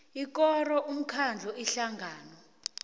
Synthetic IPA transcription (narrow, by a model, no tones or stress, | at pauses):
ikɔrɔʔum̩kʰand͡ɮʱɔʔiɬaŋɡʱaːnɔ